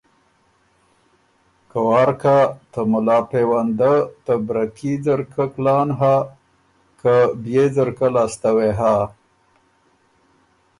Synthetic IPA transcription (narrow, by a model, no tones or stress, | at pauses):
kawɑɾkat̪əmʊlɑːpewand̪ət̪əbɾakizəɾkəklɑːnɦa | kəbjezəɾkəlɑst̪aweɦa